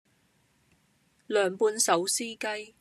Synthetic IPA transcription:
lœː˨ŋpuː˧nsɐ˨˥wsiː˥kɐ˥j

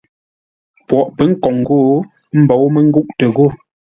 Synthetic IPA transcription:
pwɔ˨ʔpə˨˦ŋ̩˦kɔ˨ŋɡo˦˨ | m̩˦bɔ˨˦wmə˦ŋ̩˦ɡu˦ʔtə˨ɣo˦˨

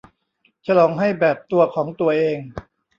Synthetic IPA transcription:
t͡ɕʰa˧lɔː˩˦ŋɦa˥˩jbɛː˨˩p̚t̪u˧ɐkʰɔː˩˦ŋt̪u˧ɐʔeː˧ŋ

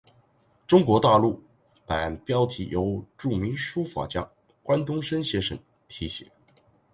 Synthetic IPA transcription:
ʈ͡ʂʊ˥ŋkwɔ˧˥t̪a˥˧lu˥˩ | pa̰˨˩˨npjɑ˥ʊt̪ʰḭ˧˥jʔo˧˥ʊʈ͡ʂu˥˩mi˧˥ŋʂu˥fa̰˨˩t͡ɕjɑ˥ | kwa˥nt̪ʊ˥ŋʂə˥nɕjɛ˧˥ʂə̰˨˧˥ŋ | t̪ʰi˧˥ɕḭ˨˩˦

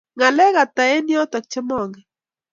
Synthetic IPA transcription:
ŋa˨lɛ˦ɣa˨ta˨e˦njɔ˦tɔ˨k̚t͡ʃɪ˦mɔ˦˨ŋɡɛ˨

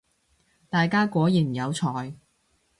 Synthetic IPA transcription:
t̪aː˨jkaː˥kʷɔː˨˥jiː˨˩m̩˨˩jɐ˨˧wt͡sʰɔː˨j

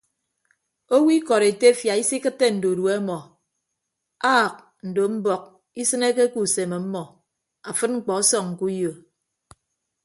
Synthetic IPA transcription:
o˦wi˦kɔ˨ɾe˨te˦fja˨i˦si˦kɨ˦tːe˦n̩˨do˨dwe˦mɔ˨ | aː˦˨k̚ | n̩˨do˨m̩˦bɔ˨k̚ | i˦sɨ˦ne˦ke˦ku˨se˨me˨m̩˦mɔ˨ | a˨fɨ˦t̚ŋ͡m̩˦˨k͡pɔ˨ɔ˦sɔ˨ŋŋ̩˨ku˦jo˨

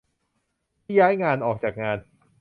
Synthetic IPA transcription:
i˥˩jaː˦˥jŋaː˧nʔɔː˨˩k̚t͡ɕaː˨˩k̚ŋaː˧n

